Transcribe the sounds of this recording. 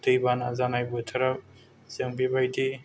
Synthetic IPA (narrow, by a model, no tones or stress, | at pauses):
t̪ɯjbanazanajbɯt̪ʰɐɾa | seŋbibajdi